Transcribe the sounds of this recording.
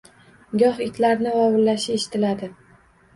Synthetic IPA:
ɡʲɒhɪk̪ʲlaɾnɪvɒwɪllːaʃɪeʃɪ̥t̪ʰɪlad̪ɪ

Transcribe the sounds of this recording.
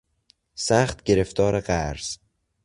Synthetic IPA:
sæχt̪ɟe̞ɾe̞ft̪ʰɒːɾeɢæɾz̥

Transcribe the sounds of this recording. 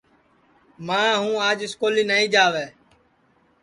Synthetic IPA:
mãːɦũːaːd͡ʒɪskoːliːnaːĩːd͡ʒaːʋeː

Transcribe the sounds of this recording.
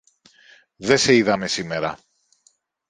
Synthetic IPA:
ðe̞se̞iðɐme̞sime̞ɾɐ̰

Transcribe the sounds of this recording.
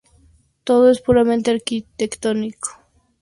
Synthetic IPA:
t̪oðoespuɾamẽnt̪eaɾkit̪ekt̪oniko̥

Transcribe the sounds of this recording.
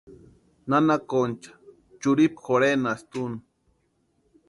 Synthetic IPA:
nanakont͡ʃḁ | t͡ʃuɾipxoɾenast̪un

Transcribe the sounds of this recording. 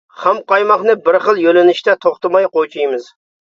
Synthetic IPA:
χæmqɑjmɑχnɨbɪɾχəlˠjølɪnɪʃt̪ɛt̪ʰoχt̪ɨmɑjqojt͡ʃʰujmɨz

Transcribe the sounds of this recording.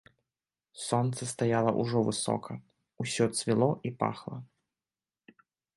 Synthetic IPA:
sɔnt̪sɐst̪ajalˠɐʔṵʐɔvɨsɔ̰kʰɐ | usʲɔt̪svʲilˠɔʔipa̰xlˠɐ

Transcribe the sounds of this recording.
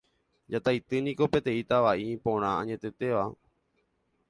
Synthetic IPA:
d͡ʒat̪ajt̪ɨnĩko̞pe̞t̪ẽ̞it̪aʋaʔipõ̞ɾ̃ããɲẽ̞t̪e̞t̪e̞ʋa

